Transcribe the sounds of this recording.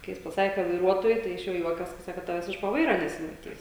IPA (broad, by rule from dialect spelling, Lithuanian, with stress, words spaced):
kɐɪ ˈjɪs pɐˈsɑːkʲeː kɐt ʋɐɪˈruɔtoːjʊ ˈtɐɪ ɪʃ ˈjoː ˈjuɔkʲɛs kɐ ˈsɑːkoː ˈtɑːʋʲɛs ɪʃ poː ˈʋɐɪrɐ nʲɛsʲɪmɐˈtʲiːs